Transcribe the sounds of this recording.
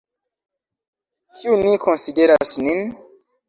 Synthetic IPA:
kʰiuniko̞nside̞ɾasnin

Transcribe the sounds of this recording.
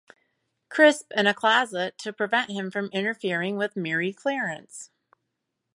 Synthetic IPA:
kʰɹ̥ɪspɨ̃ñɨkʰl̥æzətʰɨpʰɹ̥ɨvɛ̃nʔ̚hɨ̃ɱfɹʌ̃mɪ̃ɾ̃ə˞fɪɹɪ̃ŋwɪðmɛɹikʰl̥ɛɹɨ̃ns

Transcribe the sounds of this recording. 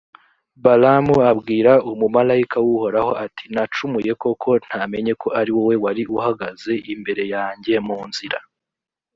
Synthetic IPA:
balamuabɡiːɾaumumalaikawuho̞ɾaho̞ʔatʰi̥nat͡ʃumuje̞ko̞kʰo̞n̥hame̞ɲe̞ko̞ʔaɾiwowe̞waɾiuhaɡaze̞imbe̞ɾe̞jaːɲɟe̞muːnz̥iɾa̰

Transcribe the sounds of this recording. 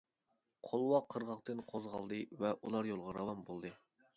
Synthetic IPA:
qʰolˠwɑqʰːəɾʁɑqt̪ɨnqʰozʁɑlˠd̪ɨvɛʔulˠɑɾjolˠʁɑɾɑwɑmbolˠd̪ɨ

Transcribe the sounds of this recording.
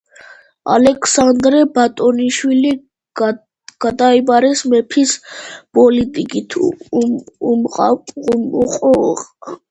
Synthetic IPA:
a̰lɛkʰsand̪ɾɛbat̪ʼɔniʃwili | ɡ̥ad̪aibaɾɛsmɛpʰispʼɔlit̪ʼikʼit̪ʰ | umqʼakuqʼɔq

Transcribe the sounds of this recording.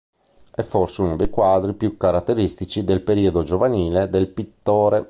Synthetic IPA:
ɛfːorseunɔd̪ejkwaːd̪ɾipjukːaɾat̪ːeɾist̪it͡ʃid̪elpeɾiːod̪od͡ʒovaniːled̪elpit̪ːoːɾe

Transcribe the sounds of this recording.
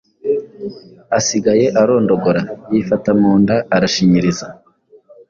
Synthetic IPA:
asiɡaje̞ʔaɾo̞ːndo̞ɡo̞ɾajiːfatamuːndaaɾaʃiɲiɾiza

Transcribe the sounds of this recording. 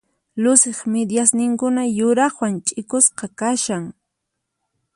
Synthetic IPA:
lʊsɪχmɪd̪jasnɪŋkʊnajʊɾɑχwant͡ʃʼɪkʊsqɑkaʃaŋ

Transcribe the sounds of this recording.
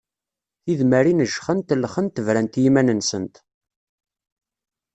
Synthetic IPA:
θiðməɾinəʒχənt̪lːχənt̪əvɾænt̪jimænənsənt̪

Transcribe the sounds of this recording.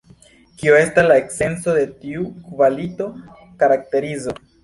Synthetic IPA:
kioe̞staslae̞kse̞nt͡so̞de̞tiukvalito̞ | kaɾak̚te̞ɾizo̞

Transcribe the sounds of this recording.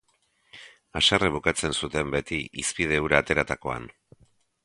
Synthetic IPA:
asareβ̞ukat͡se̞nsut̪e̞mbe̞t̪iʔḭspið̞e̞uɾaːt̪e̞ɾat̪ako̞a̰n

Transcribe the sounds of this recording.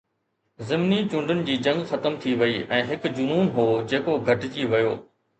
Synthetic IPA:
zɪmnit͡ɕʊ̃ɳɖʱʊnɪ̆d͡ʑiːd͡ʑɐ̃ŋɡxɐt̪əmt̪ʰiʋɐiːʔɛ̃ːɦɪkd͡ʑʊnuːnɦoːd͡ʑeːkoɡʱɐʈɪt͡ɕiʋɐjoː

